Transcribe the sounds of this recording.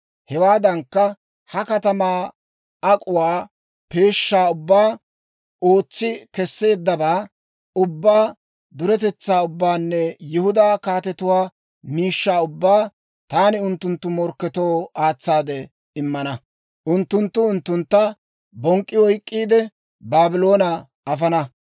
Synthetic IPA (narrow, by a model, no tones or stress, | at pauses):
hɛwaːd̪ɐŋkːɐ | hɐkɐt̪ɐmaː | ɐkʼʊwaː | pe̞ːʃːaːʊbːaː | o̞ːt͡sːɪkɛsːe̞ːd̪ːɐbaː | ʊbːaː | d̪ʊɾɛt̪̬ɛt͡sːaːʊbːaːnːɛjɪhʊd̪aːkaːt̪ɛt̪ʊwaː | miːʃːaːʊbːaː | t̪aːnɪʊnt̪ːʊnt̪ːʊmɔɾkːɛt̪o̞ːaːt͡sːaːd̪ɛ | ɪmːɐnɐ | ʔʊnt̪ːʊnt̪ːʊʊnt̪ːʊnt̪ːɐ | bɔŋkʼːɪwɔjkʼːiːd̪ɛ | baːbɪlo̞ːnɐ | ɐfɐnɐ